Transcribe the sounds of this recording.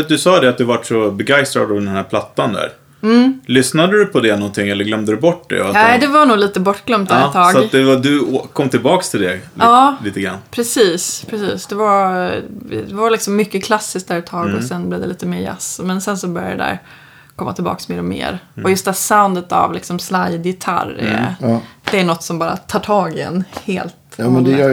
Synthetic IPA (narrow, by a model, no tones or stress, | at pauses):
at̪d̪ɵsɑːd̪ɛat̪̚d̪ɵvaʈːʂɔbɛɡajst̪ɾa̰d̪avd̪ɛnhæːɾpʰlat̪ːand̪æ̰ːɾ | m̩ːlʏsnad̪əɾɵpʰɔd̪ɛnɔnt̪ʰɪŋːɛlːəɾɡlœmd̪əɾɵbɔʈːd̪ɛ̰aɛd̪ɛvaɳuːɡliːt̪əbɔʈːɡlœmt̪ːɛt̪ʰːɑːɡat̪d̪ɛvad̪ɵokʰːɔmːt̪ʰɪlbɑːkst̪ʰɪld̪ɛɑːliːt̪əɡɾa̰nːpʰɾɛsiːspʰɾɛsiːsd̪ɛvaɾ | d̪ɛvaɾlɪksɔmːʏkːəkʰlasːɪsk̚d̪æːɾɛt̪ʰːɑːɡɔsɛnblɛvd̪ɛliːt̪əmeːɾja̰smɛnsɛnsɔbœɾja̰d̪ɛd̪æ̰ɾ | kʰɔmːat̪ʰɪlbɑ̰ːksmeːɾɔmḛːɾɔjɵst̪hæːsaʊnd̪ət̪a̰vlɪksɔmslajd̪jɪt̪ʰa̰ɾ̰ | d̪ɛæɳɔt̪ːsɔmbɑːɾa̰t̪ʰɑːʈʰɑːɡɪɛ̰nːheːlt̪ːɛnɛ